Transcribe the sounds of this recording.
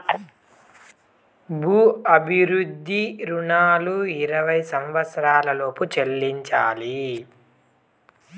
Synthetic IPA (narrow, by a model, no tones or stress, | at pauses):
bʱuːɐbʱiɾud̪ʱːiɾuɳaːluiɾɐʋɐjsɐmʋɐt̪sɐɾaːlɐlo̞ːput͡ʃelːiɲt͡ʃaːli